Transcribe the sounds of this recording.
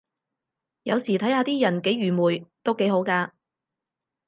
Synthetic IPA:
jɐ˨˧wsiː˨˩t̪ʰɐ˨˥jhaː˧t̪iː˥jɐ˨˩nke˨˥jɥyː˨˩muː˨˩jt̪o˥wke˨˥jho˨˥wkaː˧

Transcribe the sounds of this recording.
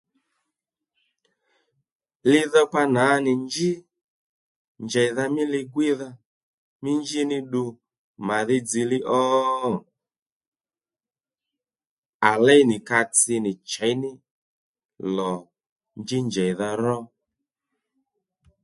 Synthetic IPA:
lɪ˦ðɔ˦pa˧na˨˦nɪ˨nd͡ʒɪ˦ | nd͡ʒɛ˨jða˧mɪ˦lɪ˧ɡwɪ˦ða˦ | mɪ˦nd͡ʒi˦nɪ˦ɗu˧ | ma˨ðɪ˦d͡zi˨lɪ˦ʔɔː˦˨ | a˨lɛ˦jnɪ˨ka˧t͡sɪ˧nɪ˨t͡ʃɛ˨˦jnɪ˦ | lɔ˨ | nd͡ʒi˦nd͡ʒɛ˨jða˧ɾɔ˦

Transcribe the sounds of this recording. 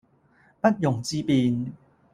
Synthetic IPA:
pɐ˦˥t̚jʊ˨˩ŋt͡ɕiː˦˧pi˧n

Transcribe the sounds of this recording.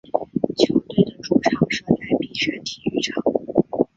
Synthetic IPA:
t͡ɕʰjo˧˥ʊt̪we˥˩ɪd̪ə˩ʈ͡ʂu˥˩ʈ͡ʂʰɑ˧˥ŋʂɤ˥la˧˥ɪpi˨˩ʂa˥˩t̪ʰi˨˩y̰˧˥˩ʈ͡ʂʰɑ˨˩˦ŋ

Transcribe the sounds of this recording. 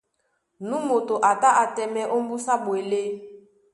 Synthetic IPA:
nu˦mo˨to˨ʔa˨ta˦ʔa˨tɛ˨mɛ˦ʔo˦m̩˦bu˦sa˦bwe˨le˦

